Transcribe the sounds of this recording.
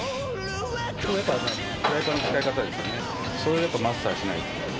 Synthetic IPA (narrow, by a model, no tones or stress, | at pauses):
soːjapːaa | ajapanot͡ɕi̥kaikat̪ad̪e̞sɨjo̰ne | soɾejapːamast̪aːɕinai